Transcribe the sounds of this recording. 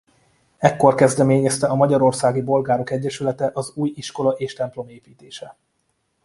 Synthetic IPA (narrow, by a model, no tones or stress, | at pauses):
ɛkːo̞rkɛzd̪ɛmeːɲɛst̪ɛɒmɒɟɒɾo̞rsaːɡibo̞lɡaːɾo̞kɛɟːɛʃylɛt̪ɛʔɒzuːjiʃko̞lɒʔeːʃt̪ɛmplo̞meːpiːt̪eːʃɛ